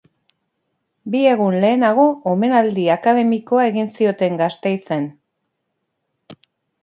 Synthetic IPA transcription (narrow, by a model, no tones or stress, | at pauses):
bie̞ɣ̞unle̞ːnaɣ̞o̞ːme̞nald̪iakaðe̞miko̞ae̞ɣinsio̞t̪e̞ŋɡast̪e̞jse̞n